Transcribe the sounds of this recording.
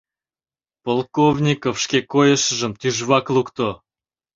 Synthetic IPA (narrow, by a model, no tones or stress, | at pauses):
polˠkovnʲikofʃkʲekojə̆ʃəʒə̆mt̪yʒβɑklˠukt̪o